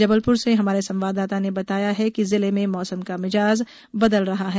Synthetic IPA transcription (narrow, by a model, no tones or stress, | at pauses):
d͡ʒɐbəlpʊɾseɦɐmaːɾesɐ̃mʋaːd̪aːt̪anebɐt̪aːjaɦɛkizɪlemẽmɔːsəmkamɪd͡ʒaːz | bɐd̪əlɾɐɦaɦɛː